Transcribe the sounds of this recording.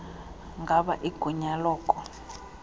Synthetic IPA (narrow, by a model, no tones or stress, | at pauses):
ŋɡʱaɓa̰ʔiɡ̥ʱuɲalɔːkʼɔ